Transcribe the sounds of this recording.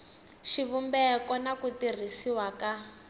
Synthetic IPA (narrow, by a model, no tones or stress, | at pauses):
ʃiβumbɛkɔnakutir̤isiwaka